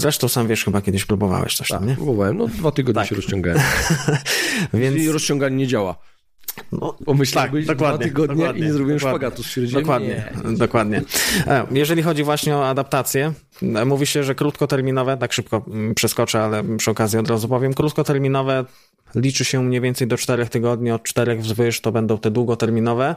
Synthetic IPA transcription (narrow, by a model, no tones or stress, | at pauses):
zɾɛʂt̪ɔ̃w̃samvʲjɛʂxɘbakʲɛd̪ɪɕpɾubɔva̰wɛ̰ɕt̪ɔ̥ɕt̪a̰mɲɛpɾubɔvawɛmnɔd̪vat̪ɨɡɔd̪̚t̪ɛaɕɛɾɔst͡ɕɔ̃ŋɡa̰wɛ | vʲjɛnsɾɔst͡ɕɔ̃ŋɡaɲɲɛd͡ʑawa̰ | nɔpɔmɨɕlakd̪ɔkwadaɲɛɨɡɔd̪d̪ɲɛad̪̚iɲɛzɾɔbʲiɛmʂwapaɡat̪usɕɛɾd͡ʑid̪ɔkwadɲɲɛd̪ɔkwad̪ɲɛ | jɛʐɛlʲixɔd͡ʑivwaɕɲɛɔad̪apt̪at̪sʲjɛ | muvʲiɕɛʐɛkɾut̪kɔt̪ɛɾmʲinɔvɛt̪akʂɘp̚kɔpʂɛskɔt͡ʂɛalɛpʂɨɔkazjiɔd̪ɾazupɔvʲjɛmkɾut̪kɔt̪ɛɾmʲinɔvɛ | lʲit͡ʂɘɕɛmɲejvʲjɛnt̪sɛjd̪ɔt͡ʂt̪ɛɾɛxt̪ɘɡɔd̪̚ɲiɔt̪̚t͡ʂt̪ɛɾɛɣvzvɘʂt̪ɔbɛnd̪ɔ̃w̃t̪ɛd̪wuɡɔt̪ɛɾmʲinɔvɛ